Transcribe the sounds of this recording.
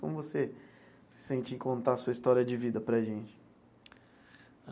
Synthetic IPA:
kõmʊvose | sɪ̥sẽnt͡ʃĩkõnt̪aɐsuɐist̪ɔɾijɐd͡ʒɪvid̪ɐpɾɐʒẽnt͡ʃɪ̥

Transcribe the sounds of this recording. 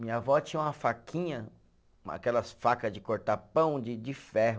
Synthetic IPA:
mĩɲɐvɔt͡ʃĩɲɐũmɐfakʰĩɲɐ̃ | a̰kɛlɐsfakɐzd͡ʒɪkoɾt̪apɐ̃w̃d͡ʒɪd͡ʒɪfɛɦʊ

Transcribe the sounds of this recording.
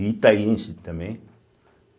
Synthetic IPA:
it̪ainsit̪əme

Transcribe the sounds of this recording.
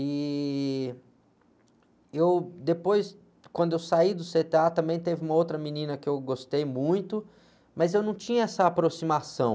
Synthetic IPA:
ɪ | ewd̪epojs | kwɐ̃nd̪ʊewsaid̪ʊset̪eat̪ɐ̃mbẽj̃t̪evɪũmɐowt̪ɾɐminĩnɐkɪewɡost̪ejmũj̃t̪ʊ | mɐzewnɐ̃w̃t͡ʃĩɲɐɛsɐːpɾosimasɐ̃w̃

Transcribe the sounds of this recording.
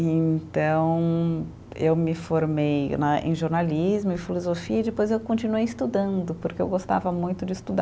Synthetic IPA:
ẽt̪ɐ̃w̃ | ḛwmɪfoɾmejnɐḛ̃j̃ʒoɾnalizmʊẽfilozofiɐid͡ʒɪpojzewkõnt͡ʃinuejɪst̪ud̪ɐ̃nd̪ʊpoɾkeḛwɡost̪a̰vɐmũj̃t̪ʊd͡ʒɪst̪ud̪a

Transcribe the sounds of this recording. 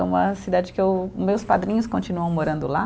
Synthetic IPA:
ũmɐsid̪ad͡ʒɪkɪewmewspad̪ɾĩɲʊskõnt͡ʃinuɐ̃w̃moɾɐ̃nd̪ʊla

